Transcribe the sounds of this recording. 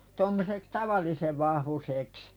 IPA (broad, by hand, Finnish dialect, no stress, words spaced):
tomːoseks tɑʋɑlˑiseʋ ʋɑhʋuseˑks